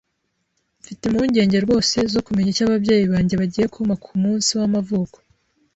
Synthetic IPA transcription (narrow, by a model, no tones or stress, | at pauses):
mfitemuɲɟe̞ːɲɟe̞ɾɡo̞ːse̞zo̞kumeɲacaβabɟeːjiβaːɲɟe̞βaɟiːje̞kuumakʰumuːnsiwamavuːko